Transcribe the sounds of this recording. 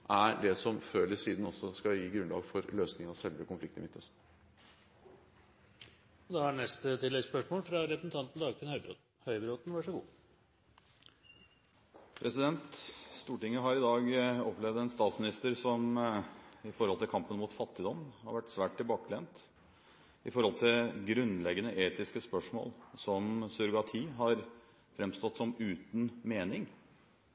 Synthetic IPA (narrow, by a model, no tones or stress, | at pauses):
ʔæɾɖɛsɔmføːlɪsiːd̪n̩ɔsɔskɑjiːɡɾʉnlɑ̰ːɡfɔɾløːsnɪŋɑsɛlʋəkʊnflɪk̚t̪əmɪt̪ʰːəs | ɔd̪ɛæɳɛst̪ət̪ʰɪlːɛɡspœʂmoːlfɾɑɾɛpɾəsn̩t̪ɑnt̪n̩d̪ɑːɡt̪ʰɪnhœʏbɾoːt̪̩ | hœʏbɾoːt̪n̩ʋɑʂɔɡṵː | pʰɾɛsɪd̪ɛnt̪st̪uːʈɪŋːəɦɑɾɪd̪ɑːɡɔplɛʋd̪ɛnst̪ɑːt̪smɪnɪst̪əɾsɔm | ɪfɔɾhɔlt̪ɪlkʰɑmpənmuːt̪fɑt̪ːɪd̪ɔmːhɑɾʋæʈːsʋæːʈ̚ʈ̪ɪlbɑːkəlɛnt̪ | ɪfɔɾhɔlt̪ʰɪɡɾʉnːlɛɡːənəʔeːt̪ɪskəspœʂmo̰ːlsɔmsʉɾɡɑt̪ʰiːɦɑɾ | fɾɛmst̪ɔt̪ːsɔmʉːt̪nmeːnɪŋ